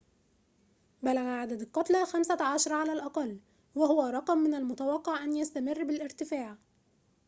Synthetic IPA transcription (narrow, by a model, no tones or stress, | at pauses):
bælæɣæʕad̪æd̪ɑlqɑt̪ˤlɑxæmsaʕaʃɑɾˤɑʕalæːlʔɑqɑlː | wæhʊwæɾˤɑqmːɪnalmʊt̪æwɑqːɑʕʔænjast̪æmɪrˤːbɪlʔɪɾt̪ɪfaːʕ